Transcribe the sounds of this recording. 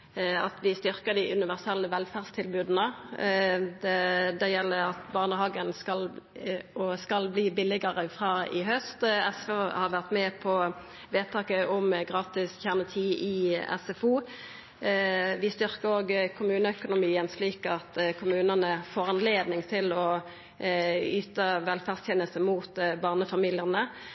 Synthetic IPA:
ɑt̪ʋɪst̪ʏɾkəd̪ɪʔʉnɪʋæʁsɛlːəʋɛlfæʁst̪ʰɪlbʉːd̪nə | d̪ɛd̪ɛjɛlːəɾɑt̪bɑʁnəhɑːɡənskɑl | ɔskɑlbliːbɪlɪɡəʁəfʁɑːɪɦœst̪ɛsføhɑʋæʁt̪mɛpʰɔ | ʋeːt̪ʰɑːkəʔʊmɡʁɑːt̪ɪsçæʁnət̪ʰiːɪɛ̰sɛfuː | ʋɪst̪ʏʁkəʁoːɡkʰʊmʉːnəœkʊnʊmiːənsliːkɑt̪kʰʊmʉːnənəfoːʁɑnleːd̪nɪŋt̪ʰɪlɔ | yːt̪əʋɛlfæʁst̪ʰjɛnəlsəmuːt̪bɑːʁnəfɑmiːlɪəʁnə

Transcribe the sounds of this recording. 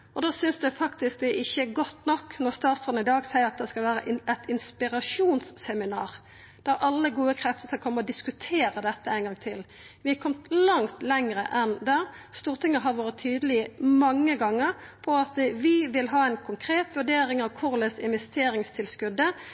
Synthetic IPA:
ɔd̪oːsʏnsd̪ɛfɑkt̪ɪsk̚d̪ɛʔɪçːəɡɔt̪ːnɔkːnɔʁst̪ɑːt̪sɔd̪n̩ɪd̪ɑːɡsæɪəɾɑt̪̚d̪ɛskɑlʋæːɾə̰ʔʔɛt̪ɪnspɪɾɑʂuːnsːɛmɪnɑːʁ | d̪̥æɾɑlːəɡuːəkʰɾɛft̪ə̥t̪ʰɪlɔkʰɔmːəɔd̪ɪskʉt̪ʰeːɾəd̪ɛt̪ːəæɪnɡɑŋt̪ʰɪl | ʋɪɑkʰɔmt̪lɑŋt̪lɛŋɾə̰ʔɛnd̪æst̪uːʁt̪ʰɪŋːəɦɑɾʋɑːɾət̪ʰːyːd̪əlɪəmɑŋːəɡɑŋːəɾ | pʰɔɑt̪ʋɪʋɪlɦɑːæɪnkʰʊŋkʰɾeːt̪ʋʉɖeːɾɪŋɑʋkʰʊʁlɛsɪnʋɛst̪eːɾɪŋst̪ʰɪlskʉd̪ːə

